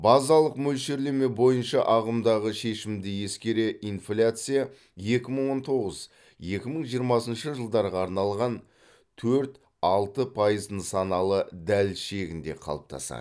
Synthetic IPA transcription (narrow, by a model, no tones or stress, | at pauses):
bɑzɑlˠəqmɵlʃe̞ɾle̞me̞bo̞jənʃɑʔɑʁəmd̪ɑʁəʃe̞ʃɪmd̪ɪje̞skʲe̞ɾe̞ʔinflʲat̪sɨja | je̞kʲɪməɴwo̞nt̪ʰo̞ʁəz | je̞kʲɪməɴʒijəɾmɑsənʃəʒəlˠd̪ɑɾʁɑːɾnɑlˠʁɑn | t̪ʰɵɾt̪ | ɑlˠt̪əpʰɑjəzd̪ənsɑnɑlˠəd̪ælʃe̞ɡʲɪnd̪e̞̰qʰɑ̰lˠəp̚t̪ʰɑ̰sɑ̰